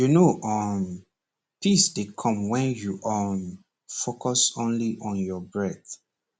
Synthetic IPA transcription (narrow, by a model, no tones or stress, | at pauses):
junoʔɔn | pʰisdekʰɔ̃mwɛ̃njuʔɔn | fokɔsõnliʔɔ̃njɔbɹɛθ